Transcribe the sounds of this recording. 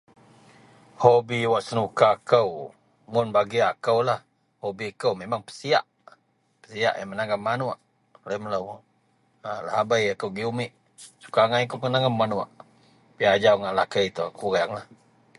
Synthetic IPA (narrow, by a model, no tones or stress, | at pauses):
hobiwaʔsənukakəw | mʊnbaɡiakəwlah | hobikəwmemaŋpə̥sia̰ʔ | pə̥sia̰ʔjamənaŋamːanuaʔ | lamələwʔ | la̰habajakəwɡiumɪʔ | su̥kaŋajkəwpəənaŋammːanuaʔ | piad͡ʒawŋaʔlakəjt̪oakuɣaaŋlah